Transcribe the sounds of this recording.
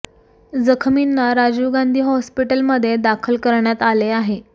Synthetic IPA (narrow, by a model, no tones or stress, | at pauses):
d͡zəkʰminːaɾad͡ʑuɡand̪ʱiːɦɔspiʈəlməd̪ʱːjed̪akʰəlkəɾɳjat̪aleaɦe